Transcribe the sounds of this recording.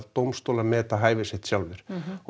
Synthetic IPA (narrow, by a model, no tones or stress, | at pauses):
ðt̪owmst̪olamɛːt̪aɦaːjvɪsɪht̪sjawlvɪɾ̥